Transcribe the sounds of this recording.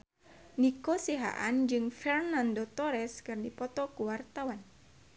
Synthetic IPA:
nikosiɦa̰ʔand͡ʒɨŋfɛrnandot̪ɔɾɛskɨrdipɔt̪ɔkuwart̪awan

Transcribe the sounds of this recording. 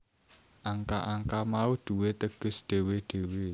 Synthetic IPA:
ʔaŋkaʔaŋkamaud̪̥ṳwet̪əɡ̥ə̤sd̪̥e̤wed̪̥e̤we

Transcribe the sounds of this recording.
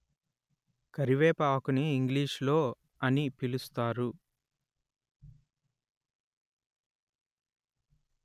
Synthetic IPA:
kɐɾiʋeːpaːkuniːŋɡliːʂlo̞ː | ɐnipilust̪aːɾu

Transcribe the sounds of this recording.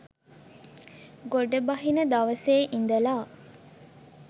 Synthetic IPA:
ɡoɖɐbɐɦinɐd̪ɐʋɐseːʔind̪ɐlaː

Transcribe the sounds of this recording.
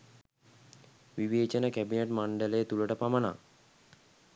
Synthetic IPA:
ʋiʋeːt͡ʃənəkæbineʈmaɳɖələjət̪uləʈəpaməna̰ː

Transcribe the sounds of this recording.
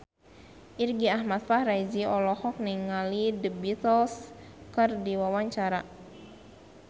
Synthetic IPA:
ʔirɡiahmat̪̚fahrajziɔlɔhɔk̚niŋalidəbit̪əlskərdiwawaɲt͡ʃaɾa

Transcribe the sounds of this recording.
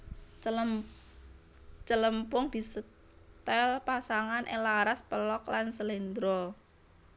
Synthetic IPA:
t͡ʃələmpʊŋd̪̥i̤sə | t̪ɛlpasaŋanʔḛlaɾaspəlɔklansəlind̪ɾɔ

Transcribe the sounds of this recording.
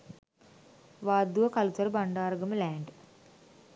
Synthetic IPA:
ʋaːd̪uʋɐkɐlut͡ʃɐɾbɐɳɖaːɾɡɐmulæːɳɖ

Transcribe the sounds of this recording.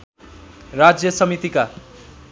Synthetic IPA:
rad͡zjʌsʌmit̪ika

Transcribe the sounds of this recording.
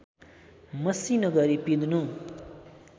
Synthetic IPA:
mʌsinʌɡʌɾipid̪nũ

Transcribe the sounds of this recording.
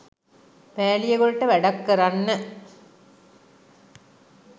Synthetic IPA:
pæːlijeɡoɭʈːəʋæɖakːɐɾanːə

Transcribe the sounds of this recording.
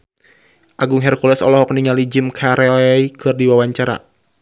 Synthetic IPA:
ʔaɡʊŋɦɛrkulɛsɔ̰lɔhɔkniŋalid͡ʒɪmkʰaɾɛɔikɨrdiwawaɲt͡ʃaɾa̰

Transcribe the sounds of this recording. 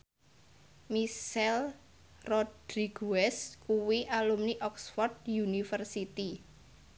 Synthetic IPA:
misɛl | rɔd̥ɾiɡ̥uɛskuwiʔalumniʔɔksfɔrd̪̚junifərsit̪i

